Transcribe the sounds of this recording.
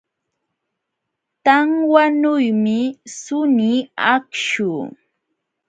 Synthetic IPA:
t̪aŋwanʊjmɪsʊniakʃuː

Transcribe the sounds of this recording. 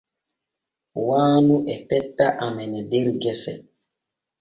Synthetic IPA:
waːnuʔɛtɛtːaʔamɛnɛdeɾɡɛsɛ̰

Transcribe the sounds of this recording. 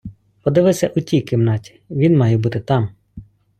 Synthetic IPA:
pɔd̪ɪʋɪsʲɐʔutʲijkɪmnɑtʲi̥ʋʲinmɑjɛbut̪ɪt̪ɑm

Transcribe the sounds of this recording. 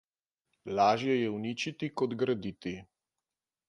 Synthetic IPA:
laːʒjɛjɛwniːt͡ʃit̪ikɔd̪ɡɾad̪it̪i

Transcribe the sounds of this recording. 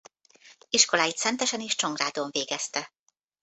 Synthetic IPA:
iʃko̞laːjit̪sɛnt̪ɛʃɛneːʃt͡ʃoŋɡraːd̪oɱveːɡɛst̪ɛ

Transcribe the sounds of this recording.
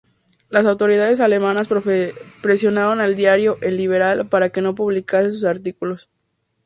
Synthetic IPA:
las̬awt̪o̞ɾiðaðe̞s̬ale̞mãnaspɾe̞sjo̞naβonald̪jaɾjo̞ʔenlːiβ̞e̞ɾalpaɾake̞no̞puβlikase̞s̬usaɾt̪ikulo̞s

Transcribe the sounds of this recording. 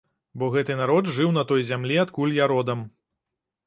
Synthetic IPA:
bɔɣɛt̪ɨnaɾɔdt̪ʐɨwnɐt̪ɔjzʲamlʲiat̪kulʲjaɾɔd̪ɐm

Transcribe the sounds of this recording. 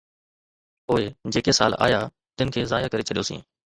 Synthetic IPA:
poːed͡ʑeːkesa̰ːla̰ːja | t̪ɪnɪ̆kʰeːzaːjakəɾet͡ʃʰəɗijoːsḭ̃ː

